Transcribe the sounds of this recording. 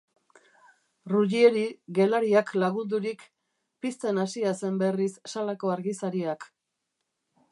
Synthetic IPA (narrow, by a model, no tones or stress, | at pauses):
ruʎieɾiɣe̞laɾiaklaɣund̪uɾik | pist̪e̞nasiase̞mbe̞risːalako̞aɾɣisaɾiak